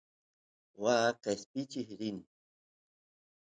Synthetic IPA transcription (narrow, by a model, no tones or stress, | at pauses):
waːqespɪt͡ʃɪhɾɪn